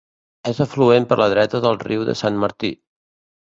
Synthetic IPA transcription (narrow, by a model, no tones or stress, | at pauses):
ezəfluempəɾləð̞ɾɛt̪əðəlˠriwðə̰sanməɾt̪i